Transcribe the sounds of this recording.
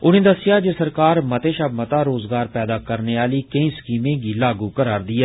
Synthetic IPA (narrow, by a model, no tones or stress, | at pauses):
ʊneːd̪əsɪjaːd͡ʒesəɾkaːɾmət̪eːʃəbmət̪aːɾoːzɡaːɾpɛːd̪aːkəɾneːaːliːkəĩːskiːmẽːɡiːlaːɡuːkəɾaːɾd̪iːɛ